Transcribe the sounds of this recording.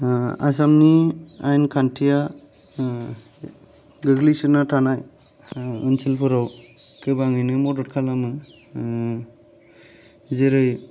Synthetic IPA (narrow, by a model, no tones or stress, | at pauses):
a̰s̬amniajnkʰantʰija | ɡɯɡlisɯnatʰanaj | ɯnsilpʰɯɾɔw | kɯbaŋɯjnɯmɔdɔt̚kʰalamɯ | zeɾɯj